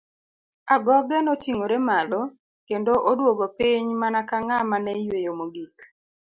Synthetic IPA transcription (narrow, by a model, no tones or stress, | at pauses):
aɡɔɡɛnɔt͡ʃiŋoɾɛmalɔ | kendoʔodwoɡopiɲmanakaŋamanɛjwejomoɡik